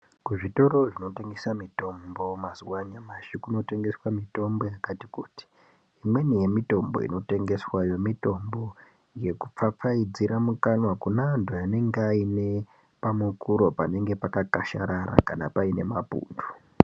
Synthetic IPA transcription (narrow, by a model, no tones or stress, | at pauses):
kuʐito̞ɾo̞ʐino̞teŋɡesamito̞mbo̞mazuwaɲamaʃukuino̞te̞ŋɡe̞swamito̞mbo̞jakati̥kuti̥ | imwe̞nije̞mito̞mbo̞̰ḭno̞te̞ŋɡe̞swajo̞mito̞mbo̞ | je̞kup͡fap͡faid͡ziɾʔamukanwakunaːndʱojane̞ŋɡeaine̞ | pamukuɾo̞pane̞ŋɡe̞pakakaʃa̰ɾaɾa̰kanapaine̞mapṵːndu